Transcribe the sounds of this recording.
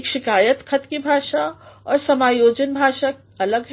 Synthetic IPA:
kʃikajət̪kʰət̪kibʱaʃaɔːɾsəmajod͡ʒənbʱaʃak | ələɡ

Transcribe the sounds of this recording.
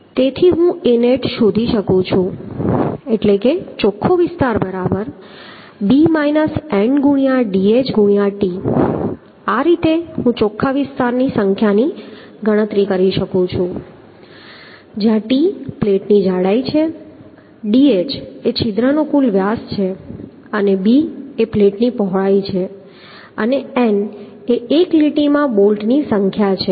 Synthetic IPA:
t̪et̪ʰiɦũeneʈʃud̪ʱiʃəkũt͡ʃʰũ | eʈleket͡ʃokʰːoʋɪst̪aɾbəɾabəɾ | bimainəsɛɳɖɡuɽ̃ijaɖiet͡ʃɡuɳijaʈi | aɾit̪eɦũt͡ʃokʰːaʋɪst̪aɾnisəŋkʰjani | ɡəɽ̃ət̪ɾikəɾiʃəkũt͡ʃʰũ | d͡ʒjãʈipleʈnid͡ʒaɽait͡ʃʰe | ɖiet͡ʃet͡ʃʰid̪ɾənokulʋjast͡ʃʰe | ənebiepleʈnipɔɦɭait͡ʃʰe | əneɛn | eːkliʈimãbolʈnisəŋkʰjat͡ʃʰe

